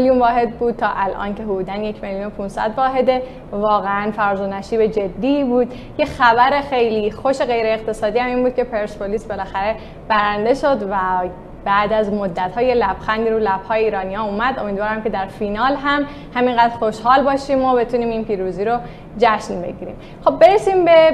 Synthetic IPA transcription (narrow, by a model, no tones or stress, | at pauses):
ljunvɒːɦe̞d̪̚buːd̪̥̚t̪ʰɒːʔælʔɒ̰ːnce̞ɦod̪uːd̪ænje̞cʰme̞ljuːnopʰunsæ̰d̪vɒːɦe̞d̪e̞ | vɒːɣeænfæɾzonæʃiːbe̞d͡ʒe̞d̪ːiːbuːd̪̥ | jexæbæɾe̞xe̞jliːxo̞ʃe̞ɣe̞jɾeːɣt̪ʰe̞sɒːd̪iːhæmiːnbuːd̪̚cʰe̞pʰe̞ɾsboliːsbe̞læxæɾe̞ | b̥æɾænd̪e̞ʃo̞d̪væ | bæd̪æzmo̞d̪ːæt̪hɒːje̞læb̥xænd̪iɾuːlæb̥hɒːjeiːɾɒːnijɒuːmæd̪o̞mid̪vɒːɾæmcʰe̞d̪æɾfinɒːlɦæm | hæmiŋɡæd̪ɾxo̞ʃhɒːlbɒːʃiːmobe̞t̪ʰuniːminpiːɾuːziːɾo | d͡ʒæʃnbe̞̰ɟiɾḭm | xob̚ːe̞ɾesiːmbe̞